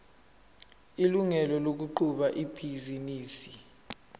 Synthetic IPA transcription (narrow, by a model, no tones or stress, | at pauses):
iluŋɛlɔlok̬uǃuɓaʔipʰiziniːsi